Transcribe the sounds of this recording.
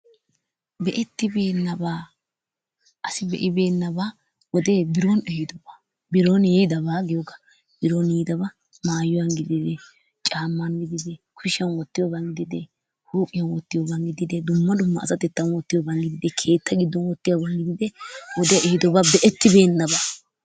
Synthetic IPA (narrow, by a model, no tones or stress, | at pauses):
bɛʔɛt̪ːɪbe̞ːnːɐba | ʔɐsɪbɛ̰ʔɪbe̞ːnːɐba | wɔd̪ebɪɾonɛhɪd̪ɔbaː | bɪɾonjɛd̪ɐbaːɡɪjɔɡɐ̥ | b̥ɪɾoniːd̪ɐbɐ | maːjɔwɐnɡɪd̪ɪd̪ɛ | t͡ʃʼaːmːɐnɡɪd̪ɪd̪ɛkʰʊʃɐnwɔt̪ːɪjɔbɐŋɡɪd̪ɪd̪ɛ | huːpʼːɪjɐnwɔt̪ːɪjɔbɐŋɡɪd̪ɪd̪ɛd̪ʊmːɐd̪ʊmːɐːsɐt̪ɛt̪ːɐnwɔt̪ːɪjɔbɐnɡɪd̪ɪd̪ɛkʰe̞ːt̪ːɐɡɪd̪ːɔnwɔt̪ːɪjɔbɐnɡɪd̪ɪd̪ɛwɔd̪ɛjɐʔɛhɪd̪ɔbabɛʔɛt̪ːɪbe̞ːnːɐbaː